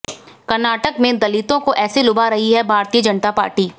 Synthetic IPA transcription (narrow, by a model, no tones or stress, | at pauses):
kɐɾnaːʈəkmẽd̪ɐlɪt̪õkoʔɛːselʊbaɾɐɦiɦɛbʱaːɾt̪ijəd͡ʒɐnət̪apa̰ːɾʈiː